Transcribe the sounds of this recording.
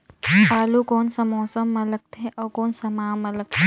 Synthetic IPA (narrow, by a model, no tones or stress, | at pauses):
paːlukɔːnsɐmɔːsəmːɐlək̚t̪ʰeʔɔːkoːnsɐmaːmɐlək̚t̪ʰe